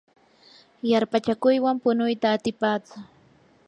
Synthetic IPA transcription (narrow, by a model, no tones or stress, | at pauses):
jaɾpat͡ʃakʊjwampʊnʊjt̪aːt̪ɪpaːt͡sʊ